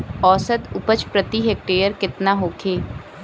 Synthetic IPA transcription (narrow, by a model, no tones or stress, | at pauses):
ɔːsəd̪ʊpət͡ʃpɾət̪iɦeːk̚ʈeːjəɾkɪt̪naɦoːkʰeː